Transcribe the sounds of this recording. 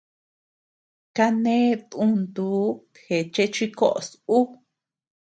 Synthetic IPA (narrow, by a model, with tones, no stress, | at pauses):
ka˦nẽ˦t̪ũ˦nd̪uː˨˦ | he˨t͡ʃe˦t͡ʃi˦ko˦ʔo̰˨su˦